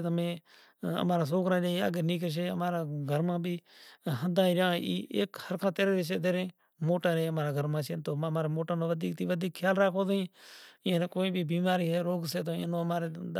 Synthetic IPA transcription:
t̪mẽː | ə̰maːɾaːs̬oːkɾãːd͡ʒaːiə̰ɡəniːkəʃ̬eːə̰maːɾaːɡʱəɾmãːbʱiːɦəd̪aːĩːɾjãːiːʔḛːkhəɾkʰãːt̪eːɾeːʋɪʃ̬eːt̪eːɾẽː | moːʈãːɾeːəmaːɾaːɡʱəɾmãːt͡ʃeːnt̪oːmamaːɾeːmoːʈãːnõːʋəd̪iːk̚t̪iːʋəd̪ʱiːkʰjaːlɾaːkʰoːd̪ĩːẽːnːkoːĩːbʱiːbiːmaːɾiːɦeːɾoːɡseːt̪oːḛ̃ːnõːmaːɾeː

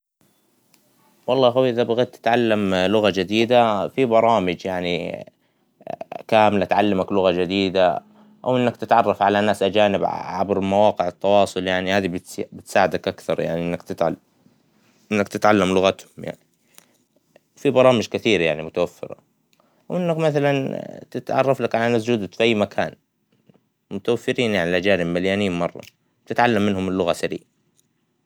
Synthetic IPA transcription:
wɑlˤːɑːɦawiʔɪðabaɣad̪̚t̪ːɪ̥t̪ʕalːamlʊɣad͡ʒɪd̪iːd̪afibɑɾˤɑːmɪd͡ʒjaʕni | kaːmɪlat̪ʕalːamaklʊɣad͡ʒɪd̪iːd̪a | ʔa̰wʔɪnːakt̪ɪt̪ʕɑrˤːɑfʕalanaːsʔad͡ʒaːnɪbʕabɾmawɑːqɪʕɪt̪ːɑwɑːsˤʊljaʕnihaːðibɪt̪bɪt̪saːʕɪd̪akʔakθɑɾˤja̰ʕniʔɪnːakt̪ɪ | ʔɪnːakt̪ɪt̪ʕalːamlʊɣat̪hʊmja̰ʕni | fibɑɾˤɑːmɪd͡ʒkɪθiːɾjaʕnimʊt̪awafːɪ̰ɾɑ̰ | wʔɪnːakmaθalant̪ɪt̪ʕɑ̰rˤːɑflakʕalaʔanːas̬d͡ʒuːd̪ak̪fʔajːmakʰa̰ːn | mʊt̪awafːɪɾiːnjaʕnilʔad͡ʒaːnɪbmaljaːniːmmɑrˤːɑ̰̥ | t̪ɪt̪ʕalːamːɪnhʊmɪlːʊɣasaɾḭːʔ

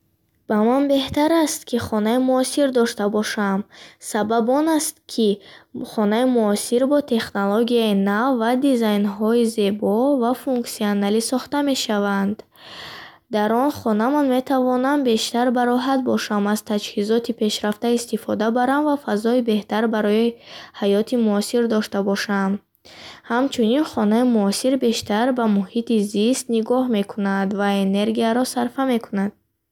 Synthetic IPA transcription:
b̥amanbe̞ht̪aɾast̪kʰiχɔnaimuɔsiɾd̪ɔʃt̪abɔʃamsababɔnast̪kʰiχɔnaimuɔsiɾbɔt̪ʰe̞χnoloɡiainavːad̪izajnɦɔize̞bɔvafuŋksianalisɔχt̪ame̞ʃavand̪ | d̪aɾɔnχɔnamanme̞t̪ʰavɔnambe̞ʃt̪aɾbaɾɔɦat̪̚bɔʃamaz̥t̪ʰad͡ʒhizɔt̪ʰipʰe̞ʃɾaft̪aist̪ifɔd̪abaɾamvafazɔibe̞ht̪aɾbaɾɔjihajɔt̪ʰimuɔsiɾd̪ɔʃt̪abɔʃam | hamt͡ʃʰuninχɔnaimuɔsiɾbe̞ʃt̪aɾbamuhit̪izist̪niɡɔhme̞kʰunand̪vaene̞ɾɡiaɾɔsaɾfame̞kʰunad̪̥̚

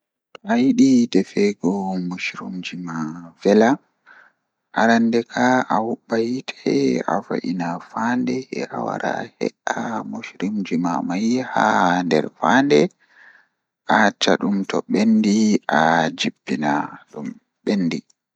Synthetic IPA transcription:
tɔʔajiɗidɛfɛɡɔmuʃɾumd͡ʒimav̥ɛla | ʔaɾandɛkʰaʔawuɓajitʰɛa̰fa̰ʔinafaːndɛɛawa̰ɾa̰hɛ̰ɗamuʃɾimd͡ʒimamajhandɛ̰ɾfandɛ | ʔat͡ʃaɗumtɔɓendiʔad͡ʒibːinaɗum | ɓenːdi

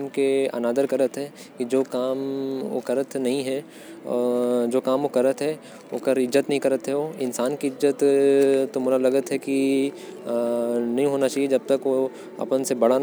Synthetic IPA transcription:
mkeɐ̰naːd̪əɾkɐɾət̪ɦɛ | kid͡ʒoːkaːmʋo̰kɐɾət̪nɐɦĩɦɛ̰ː | d͡ʒoːkaːmʋokɐɾət̪ɦɛ | o̰kəɾɪzːət̪nɐɦĩkɐɾət̪ɦɛʋoːɪnsaːnkiɪzːət̪ː | omʊlalɐɡət̪ɦɛki | nɐɦĩɦoːnat͡ʃaːɦied͡ʒɐb̚t̪ɐkʋo | ɐ̰pənsebɐɽa

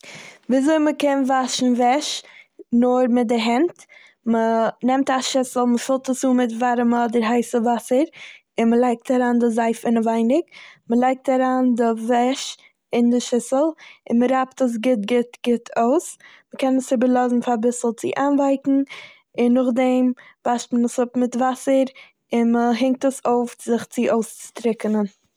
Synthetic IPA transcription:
viːzoɪməkɛnvaʃn̩vɛʃnʊɾmɪt̚dɪɦɛnt | mənɛmtaʃɪsl̩ˠməfɪlˠtəsuːmɪtvaɾəmɔdɪɾɦaɪsəvasəɾ | ɪnməlˠaɪk̚taɾaːndɪzaɪfɪnəvaɪnɪkməlˠaɪk̚taɾaːndɪvɛʃ | ɪndɪʃɪsəlˠɪnməɾaptəs̬ɡɪt̚ɡɪtɡ̥ɪtʰoʊs | məkʰɛnəsɪbəɾlˠɔzn̩fabɪsl̩ˠt͡sɪ̰ʔaːnvaɪkn̩ | ɪnːʊχdɛmv̥aʃtmənəsʊpmɪtvasəɾ | ɪnməɦɪŋk̚təsoʊfz̥ɪχt͡sɪʔoʊst͡sɪ̥tɾɪkənən

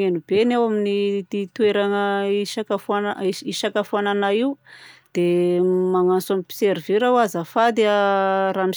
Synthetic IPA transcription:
enubenewaminit̪it̪ueɾanəiʃakafanaiʃakafuananaiwd̪̥emaŋant͡samipi̥seɾiviɾawazafad̪earami

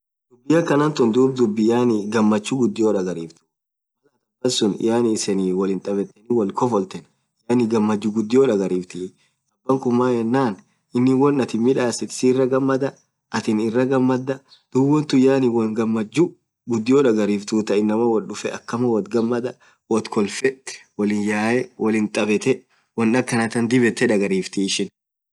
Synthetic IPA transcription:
d̪̥ʊbːɪjɐkɐnɐnt̪ʊnd̪uːb̚d̪ʊbːɪjaːnɪɡɐmːɐt͡ʃːʊɡʊd̪ːɪjoːᶑɐɡɐɾiːft̪ʊ̥ | ɐlɐt̪ɐbɐsʊn̰jaːnɪsɛniːwɔlɪnt̪ʼɐbɛt̪ːɛniwɐlkɔfɔlt̪ɛn | jaːnɪɡɐmːɐd͡ʒːʊɡʊd̪ːɪjoːᶑɐɡɐɾiːft̪ɪ | ɐbːɐŋkʊmːaːhɛnːaːn | ʔɪnːɪwɔnːɐt̪ɪmɪᶑaːsɪt̪ɪ̥siːrːɐɡɐmːɐd̪ɐ | ʔɐt̪ɪnɪrːɐɡɐmːɐd̪ːɐ | d̪̥ʊwɔnt̪ʊjaːnɪwɔɡɐmːɐd͡ʒːʊ | ɡʊd̪ːɪjoːᶑɐɡɐɾiːft̪uːt̪ɐɪnːɐmɐwɐlɗʊfɛɐkːɐmɐwɐt̪ɡɐmːɐd̪ɐ | wɔt̪kʰɔlfɛwɔlɪnjaːjɛwʔɔlɪnt̪ʼɐbɛt̪ɛ | wɔnːɐkːɐnɐt̪ɐnd̪ɪbɛt̪ːɛᶑɐɡɐɾiːft̪iɪʃɪn

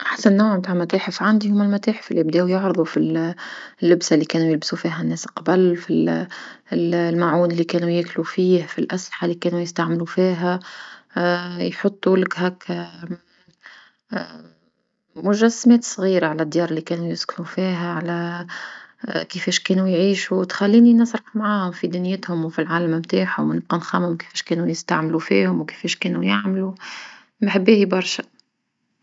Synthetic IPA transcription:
ʔaħsanːawʕmt̪aːʕmæt̪eːħɪfʕand̪ihʊmːalmæt̪æːħɪ̥fʔɪlːib̚d̪ɛːʔjʊʕɾɨðˤufil | lːɪbsalːikɛːnujɪlbsufiːɦænːɛːslqɑbɪlfi | lmaʕuːnɪlːikɛːnujɪːklufiːhfilʔaslɪħalːikɛːnujɪst̪aʕmɪlufiːɦæ | jħʊt̪ˤːulɪkɦɛːk | mʊʒæsːmɛːt̪sˤɣiːɾaʕalæd̪ːjɑːɾˤlːikɛːnujʊskʊnufiːɦæʕalæ | kəfɛːʃkɛːnujʕiːʃuwt̪xælːiːninɑsˤɾˤɑħmaʕaːhʊmfid̪ɪnɪjət̪hʊmwfilʕaːlæmmt̪aːħhʊmnɪb̚qɑnxɑmhʊmkɪ̥fɛːʃkɛːnunəst̪aʕmlufḭːhʊmwkɪ̥fɛːʃkɛːnujaʕmlu | mħɪbːiːhibɑɾˤʃæ̥

